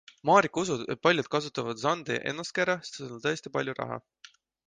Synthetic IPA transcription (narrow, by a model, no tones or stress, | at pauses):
mɑːɾikusud̪̥e̞t̪̚pɑlʲjut̪̚kɑsut̪ːˑɑvɑd̪̥sɑnd̪̥ḭʔe̞̰nːɑst̪̚keɾɑsi̥t̪seolt̪ɤest̪ipɑlʲjuɾɑ̰ɦɑ̰